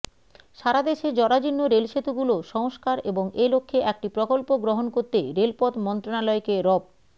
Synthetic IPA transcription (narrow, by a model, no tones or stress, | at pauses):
ʃaɾad̪eʃed͡ʑɔɾad͡ʑinːoɾelʃet̪uɡuloʃɔŋoʃkaɾeboŋʔelokʰːeʔɛk̚ʈipɾokolpoɡɾoɦonkoɾt̪eɾelpɔt̪mɔnt̪ɾonalɔekeɾɔb̚